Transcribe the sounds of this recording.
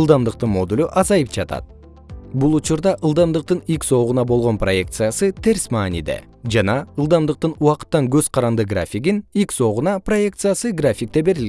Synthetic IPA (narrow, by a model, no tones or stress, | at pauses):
lˠd̪ɑmd̪ɯq̚t̪ɯnmo̞d̪ulʲuʔɑzɑjɯp̚d͡ʒɑt̪ɑ̰t̪̚ | bulˠut͡ʃuɾd̪ɑʔɯlˠd̪ɑmd̪ɯq̚t̪ɯnikso̞ʁunɑbo̞lˠʁo̞nproje̞k̚t̪sɨjasɯt̪ʰe̞ɾʲsmɑːnʲḭd̪ḛ | d͡ʒɑnɑɯlˠd̪ɑmd̪ɯq̚t̪ɯnuɑqɯ̥t̪ːɑŋɡø̞zqʰɑɾɑnd̪ɯɡra̰fʲiɡinikso̞ʁunɑpro̞je̞k̚t̪sɨjasɨɡrafʲik̚t̪e̞be̞ɾilɡ